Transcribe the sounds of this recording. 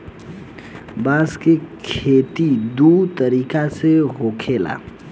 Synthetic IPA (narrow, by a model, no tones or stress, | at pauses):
baːskekʰeːt̪id̪ut̪əɾiːkaseɦoːkʰela̰